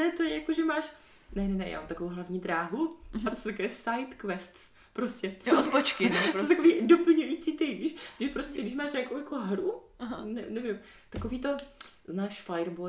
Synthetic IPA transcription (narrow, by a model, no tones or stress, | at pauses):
nɛt̪ojɛjakoʒɛmaːʃ | nɛnɛnɛ̰ja̰ːmamt̪akovowɦlavɲiːd̪ɾaːɦuat̪osowt̪akɛːsajt̪kvɛst̪s | pɾoscɛt̪osot̪pot͡ʃkɪt̪oowt̪akoviːdopl̩ɲujiːt͡siːt̪ɛjviːʃt̪ʒɛpɾoscɛɡdɪʃ̬maːʃɲaːkowjakoɦɾuɦanɛnɛvɪm | t̪akoviːt̪o̞znaːʃfajɾbo